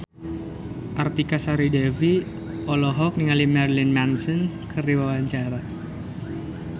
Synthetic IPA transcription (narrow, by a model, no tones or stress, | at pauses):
ʔart̪ikasaɾidɛvi | ʔɔlɔɦɔk̚niŋalimɛrlinmansən | kʰəriwawaɲt͡ʃaɾa